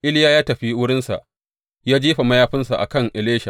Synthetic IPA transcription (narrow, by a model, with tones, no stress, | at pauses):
ʔɪ˦ljaː˦jaː˦tɐ˨ɸi˦wʊ˦ɽɪ˦nsa̰˨ʔ | jaː˦d͡ʒiː˦ɸa˨mɐ˦jaː˦ɸɪ˦nsa̰˨ʔa̰˨kɐ˦˨ŋʔɪ˨leː˦ʃa˨